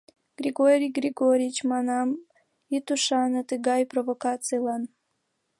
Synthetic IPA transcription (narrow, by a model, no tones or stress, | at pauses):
ɡ̥ɾʲiɡoɾʲijɡrʲiɡoɾʲiit͡ɕmɑnɑm | it̪uʃɑnət̪əɣɑjprovokɑt͡sɨjlɑn